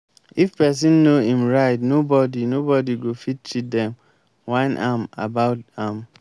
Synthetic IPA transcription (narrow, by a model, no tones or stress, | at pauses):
ifpɛs̬ĩnːoĩmɹaɪtnobɔdinobɔdiɡofit̚t͡ʃit̚dɛ̃m | wãɪnʔa̰ma̰baʊtãm